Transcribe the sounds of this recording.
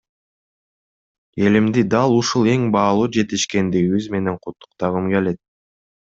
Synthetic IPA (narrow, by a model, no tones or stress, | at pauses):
e̞limd̪id̪ɑlˠuʃulˠe̞ŋbɑːlˠuːd͡ʒe̞t̪iʃke̞nd̪iɡiβizme̞ne̞ɴqʰut̪ːu̥qt̪ɑʁɯmke̞le̞t̪̚